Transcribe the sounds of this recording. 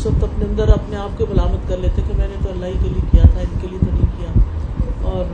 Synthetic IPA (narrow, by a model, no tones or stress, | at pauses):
sɐb̚t̪ɐpneɐ̃nd̪əɾɐpneaːp̚kobɐlaːmət̪kɐɾleːt̪ekemɛ̃ːnet̪oɐlːaːikeliekijat̪ʰaɪnkeliet̪ɐnĩkijaː | ɔːɾ